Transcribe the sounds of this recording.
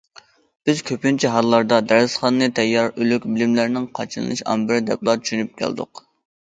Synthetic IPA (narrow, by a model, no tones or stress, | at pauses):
b̥ɪzkʲʰøpynt͡ʃʰiɦɑlˠːɑɾd̪ɑd̪æɾɨsχɑnːɨt̪ʰɛjːɑɾylykʲbɪlɪmlæɾnɪŋqʰɑt͡ʃʰɨnɨ̰lɨʃɑ̰mbɪɾd̪ɛ̰plˠɑt͡ʃ̪ʰy̥ʃynyp̚kʲʰæ̰lˠd̪ʊ̰q